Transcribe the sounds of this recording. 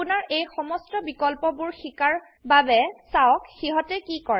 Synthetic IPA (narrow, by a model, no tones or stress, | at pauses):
unaɹejxɔmɔstɔbikɔlpɔbʊɹxikaɹ | babɛsawɔkxiɦɔtɛkikɔɹɛ